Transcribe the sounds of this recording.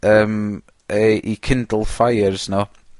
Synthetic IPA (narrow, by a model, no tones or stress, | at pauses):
əːm | əʔikʰɪndlˠfajərz̥no